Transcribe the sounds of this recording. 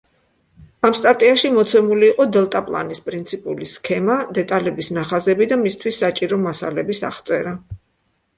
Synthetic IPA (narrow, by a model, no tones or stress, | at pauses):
amst̪ʼat̪ʼiaʃimɔt̪sʰɛmuliːqʼɔd̪ɛlˠt̪ʼapʼlˠa̰nispʼɾint̪sʰipʼṵliskʰɛmad̪ɛt̪ʼalɛbisnaχazɛbid̪amist̪ʰwisːat͡ʃʼiɾɔmasa̰lɛbisa̰χt̪sʼɛɾa